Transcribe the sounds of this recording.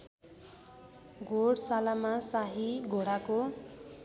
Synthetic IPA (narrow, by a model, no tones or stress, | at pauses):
ɡʱoɽsalamasaɦiɡʱoɽako